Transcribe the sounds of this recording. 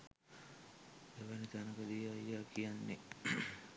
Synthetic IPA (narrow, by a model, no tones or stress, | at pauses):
eʋanit̪anəkəd̪ijajːaːkijanːe